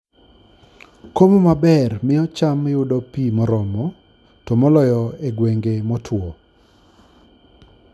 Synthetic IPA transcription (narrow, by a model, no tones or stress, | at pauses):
komomabɛrmɪɔt͡ʃamjʊdɔpimɔɾɔmɔ | tɔmɔlɔjɔeɡweŋɡemɔtʰwɔ